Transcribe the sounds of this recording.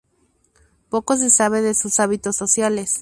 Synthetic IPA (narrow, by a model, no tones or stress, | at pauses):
po̞ko̞s̬e̞saβe̞ðesusaβit̪o̞sːo̞sjale̞s